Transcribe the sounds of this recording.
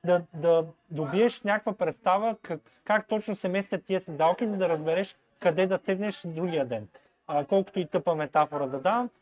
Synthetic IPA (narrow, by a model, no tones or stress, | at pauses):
d̪ɐd̪ɐd̪obiɛʃnʲakkvəpɾɛt̪st̪avəkɐ | kakt̪ɔt͡ʃnʊsɛmɛjst̪ʲət̪ːiɛsɛd̪alˠkizɐd̪ɐɾɐzbɛɾɛʃ | kɐd̪ɛd̪ɐsɛɡ̪nɛʃd̪ɾuɡʲijəd̪ɛnː | kɔlˠkʊ̥t̪ʊit̪ɤpəmɛt̪afoɾəd̪ɐd̪avəm